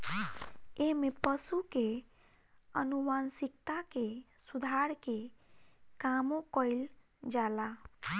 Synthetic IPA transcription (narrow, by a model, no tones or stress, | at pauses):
emepəsuke | ə̰numansikt̪ake | sud̪ʱaɾke | kamokɔɪl | d͡ʒala